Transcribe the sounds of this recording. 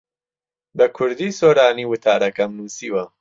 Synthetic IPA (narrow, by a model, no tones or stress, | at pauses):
bɐkʰʊɾd̪iːsoːɾaːniːwʊt̪ʰaːɾɐkɐmnuːsiːwɐ